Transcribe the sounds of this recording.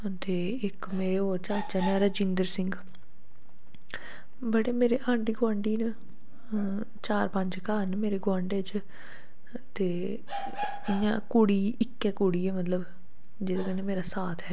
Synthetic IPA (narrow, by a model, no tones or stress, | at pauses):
t̪eː | ɪk | meːɾeːoːɾt͡ʃaːt͡ʃanɛːɾəd͡ʒɪ̃nd̪əɾsɪŋɡ | bəɽeːmeːɾeːʔãːɳɖiːɡʊãːɳɖiːn | t͡ʃaːɾpə̃ɲd͡ʒkaːnmeːɾeːɡʊãːɳɖeːd͡ʒ | t̪eː | ɪjã̰ːkuːɽiːɪkːɛːkuɽiːɛːmət̪ləb | d͡ʒeːd̪aːkənemeːɾaːsaːt̪ʰɦɛː